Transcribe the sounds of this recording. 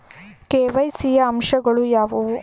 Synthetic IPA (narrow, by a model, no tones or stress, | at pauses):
keːʋɐjsijɐːmʃɐɡɐɭujaːʋɐu